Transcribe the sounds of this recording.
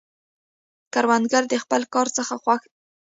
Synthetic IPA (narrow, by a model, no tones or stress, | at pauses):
kaɾwand̪ɡaɾd̪əxpəlkɑɾt͡səxaxwax